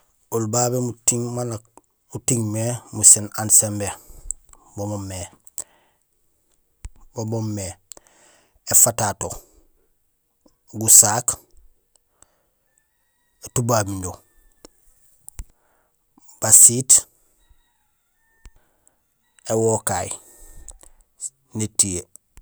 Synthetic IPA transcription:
ulbabemutiŋmana | utiŋmemusenansembe | bomomːe | bobomːe | efatato | ɡusaːk | etubaːbiɲɟo | b̥asiːt | ewokaj | netie

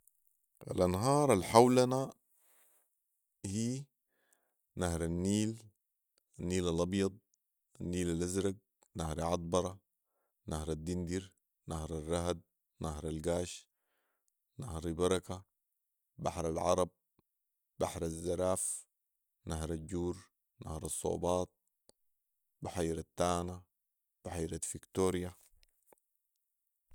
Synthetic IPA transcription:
ʔa̰lʔɑnɦɑːɾˤalħawlana | hiː | nahɾanːiːl | anːiːlalʔɑbjɑd̪̚ˤ | anːiːlalʔazɾaɡ̚ | nahɾʕɑd̪̚ˤbɑɾˤɑ | nahɾad̪ːind̪iɾ | nahɾarˤːɑɦad̪̚ | naɦɾalɡaːʃ | nahɾibɑɾˤɑka | ba̰ħɾalʕɑ̰ɾˤɑb̚ | baħɾazːaɾaːf | naɦɾaɟuːɾ | na̰hɾɑsˤːo̰ːbɑːt̪̚ | baħaːɾat̪ːaːna | b̥aħaːɾat̪fikt̪oːɾija

